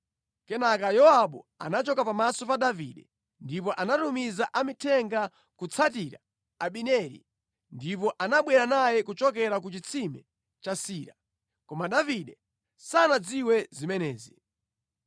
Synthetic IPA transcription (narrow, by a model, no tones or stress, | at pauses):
kɛnakajɔaɓɔa̰nat͡ʃɔkapamasɔpaɗavḭɗɛ | ndip̬ɔʔanatumizaʔamitʰɛŋɡa | kut͡sʰatiɾa̰ | aɓinɛɾḭ | ndip̬ɔʔanaɓwɛɾanajɛkut͡ʃɔk̬ɛɾak̬ut͡ʃit͡sʰimɛ | t͡ʃasiːɾa | kɔmaɗaviɗɛ | sanad͡ziwɛzimɛnɛːzi